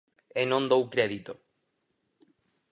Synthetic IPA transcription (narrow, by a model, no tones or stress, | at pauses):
enõnd̪owkɾeðit̪o